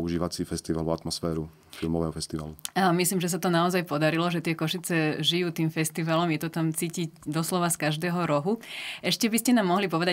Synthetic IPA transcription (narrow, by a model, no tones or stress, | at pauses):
uʒiːʋat͡siːfɛst̪iʋaluat̪mɔsfɛːɾu | filmɔʋɛːɦɔfɛst̪iʋa̰luamisliːmʒɛs̬at̪ɔnaɔzajpɔd̪aɾilɔʒɛt̪ɪɛkɔʃit͡sɛʒijuːt̪iːmfɛst̪iʋalɔmjɛt̪ɔt̪amt͡siːcicd̪ɔslɔʋaskaʒd̪ɛːɦɔɾɔɦuʔɛʃcɛbiscɛnamːɔɦlipɔʋɛd̪a